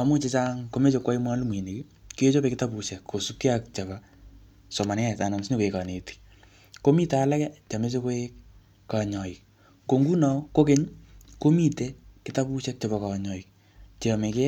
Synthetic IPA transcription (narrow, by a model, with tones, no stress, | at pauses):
a˨mo˦t͡ʃe˧t͡ʃa˦ŋko˦me˦t͡ʃe˦kwa˦i˦mwa˦lu˦mwi˨ne˨ki | ki˦jo˦t͡ʃo˦pe˦kɪta˦bu˨ʃɛ˨kko˨su˦kki˦akt͡ʃa˨βa˨ | sɔ˨ma˨nɛ˦a˨t͡ʃa˨na˨msi˦ni˦ko˨e˨ka˨ne˨ti̥˨ | ko˦mi˦ta˨la˦kɛ˦t͡ʃa˨me˦t͡ʃe˦ko˦e˦k | ka˨ɲɔ˨i˨k | ko˨ŋɡu˦nɔ˨ko˦ke˦ɲko˦mi˦te˦kɪ˦ta˦pu˦ʃɛ˦k̚t͡ʃa˨ba˨ka˨ɲɔ˨i˨k̚ | t͡ʃe˨me˨ke˦